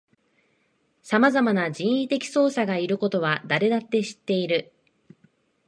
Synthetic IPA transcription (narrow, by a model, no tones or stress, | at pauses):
samazamanad͡ʑĩɰ̃it̪e̞kʲi̥so̞ːsaɡaiɾɯ̟ko̞t̪o̞β̞ad̪aɾe̞d̪at̪ːe̞ɕi̥t̪ːe̞iɾɯ̟